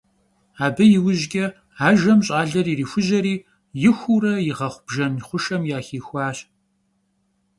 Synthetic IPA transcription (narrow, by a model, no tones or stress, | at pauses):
aːbɐjɪwʊʑɡʲɐ | aːʒɐmɕʼaːɮɐɾiːriːxʷʊʑɐɾiː | jɪxʷuɾɐjɪʁɐχʷʊb̥ʒɐnχʷʊʃɐmjaːxiːxʷɑːɕ